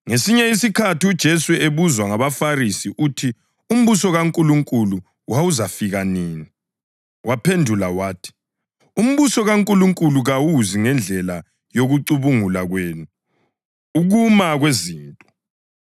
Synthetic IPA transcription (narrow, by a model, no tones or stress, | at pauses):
ŋesiɲɛisikʰatiud̥ʒ̥ʱesueβuzwaŋaβafarisiʔuːtʰi | um̩βusɔɣaŋkʼuluŋkʼulu | wawuzafiɣaniːni | wapʰendʱulawaːtʰi̥ | um̩βusɔɣaŋkʼuluŋkʼuluɣawuziŋɛnd͡ɮʱɛla | joɣuǀuβuŋulaɣweːnuː | ɣumaɣweziːntʼɔ̥